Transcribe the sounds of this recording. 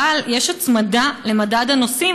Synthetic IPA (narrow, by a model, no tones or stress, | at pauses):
aljeʃat͡smad̪ale̞madad̪hanosi